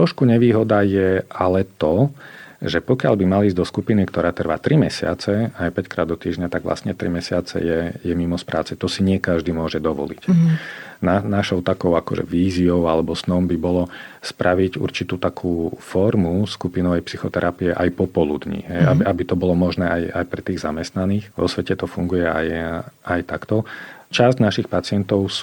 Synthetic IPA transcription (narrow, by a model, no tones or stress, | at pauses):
tt̪ɾɔʃkuɲɛʋiːɦɔd̪ajɛalɛt̪ɔ | ʒɛpɔkɪaʎbimaliːzd̪ɔskupinikt̪ɔɾaːt̪r̩ʋa̰ːt̪ɾimɛsɪa̰t͡sɛajpɛckɾa̰ːd̪ːɔt̪iːʒɲat̪aɡʋla̰st̪ɲɛt̪ɾimɛsɪat͡sɛ̰jɛjɛmimɔspɾʔa̰ːt͡sɛt̪ɔsiɲɪɛkaʒd̪iːmʊɔʒɛd̪ɔʋɔ̰lḭc | nanaʃɔʊt̪akɔʊakɔʒɛ̰ʋiːziɔʊalɛbɔsnɔmbibɔlɔspɾʔaʋiɟṵɾt͡ʃit̪uːt̪akʰuːfɔɾmuskupinɔʋɛjpsixɔt̪ɛɾapiɛʔajpɔpɔlṵd̪ɲḭɦɛjabiabit̪ɔbɔlɔmɔʒnɛːʔajajpɾɛt̪iːɣzamɛst̪naniːxʋɔ̰sʋɛcɛt̪ɔfuŋɡujɛa̰jajt̪akt̪ɔt͡ʃazɟnaʃixpat͡sɪɛnt̪ɔʊs